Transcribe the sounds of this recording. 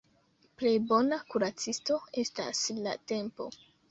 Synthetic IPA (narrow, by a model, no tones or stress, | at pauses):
ple̞jbo̞nakuɾat͡sisto̞e̞sta̰sla̰te̞mpo̞̰